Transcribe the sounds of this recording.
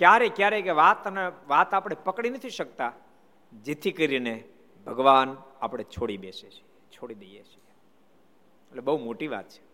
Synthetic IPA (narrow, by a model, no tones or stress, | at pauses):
kjaɾekjaɾekeʋat̪əneʋat̪apɽ̃epəkɽ̃inət̪ʰiʃək̚t̪a | d͡ʒet̪ʰikəɾine | bʱəɡʋanapɽ̃et͡ʃʰoɽibeset͡ʃʰiet͡ʃʰoɽid̪əjet͡ʃʰi | eʈlebəɦumoʈiʋa̰t̪̚t͡ʃʰe̥